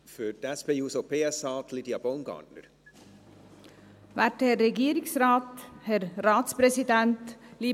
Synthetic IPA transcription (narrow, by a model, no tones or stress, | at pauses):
fydɛspejuːsopʰeːɛsɑːt̪ʰlid̪iabownɡɑ̰ːdnə̰ɾ | ʋæʈhɛɾɛɡeːɾɪŋsɾɑːt̪hæɾɾɑːt̪spɾɛsɪd̪ɛnt̪liː